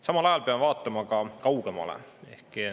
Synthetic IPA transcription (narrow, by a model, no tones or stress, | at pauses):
sɑmɑlɑjɑlpeɑmevɑːt̪ˑːɑmɑkɑkɑwɡ̥emɑ̰lḛe̞̰hki